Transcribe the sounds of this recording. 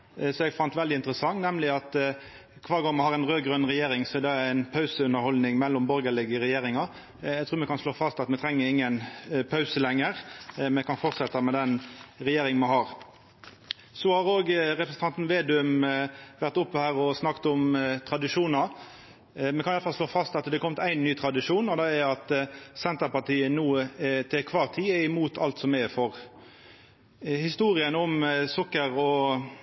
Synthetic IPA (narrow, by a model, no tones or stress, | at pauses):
sɔɛɡfɑnt̪ʋɛld̪ɪɪnt̪əɾəsɑŋːnɛmlɪɑt̪ | kʰʋɑːɾɡoːmɑhɑʁæɪnʁøːɡʁœnʁɛjeːɾɪŋsɔɛd̪ɑæɪnpʰɑʉsəʉnəɾhɔld̪nɪŋmɛlːʊmbɔɾɡəɭɪɡəɾɛjeːɾɪŋɑ | æɡt̪ʰʉːɾmɛkɑnsloːfɑst̪ɑt̪mɛt̪ʰɾɛŋːəɪŋːənpʰɑʉsəlɛŋːəɾmɛkʰɑnfɔʁt̪sɛt̪ːɑmɛd̪ɛnɾɛjeːɾɪŋmɛhɑːʁ | sɔhɑʁoːɡɾɛpɾəsən̩ʰɑnt̪n̩ʋeːd̪ʉmʋæʁt̪ʊpːɔhæːʁɔsnɑkt̪ʊmt̪ʰɾɑd̪ɪʂuːnɑ | mɛkʰɑnʋæɾfɑlsloːfɑst̪ɑt̪d̪ɛkʰɔmt̪æɪnːyːt̪ʰɾɑd̪ɪʂuːnɔd̪ɛɛɑt̪sɛnt̪əɾpɑt̪iːənuːt̪ʰɪkʰʋɑːʁt̪ʰiːɛɪmuːt̪ʰɑ̰lt̪sɔmɛɛfɔʁ | hɪst̪uːʁɪənʊmsʊkːəʁɔ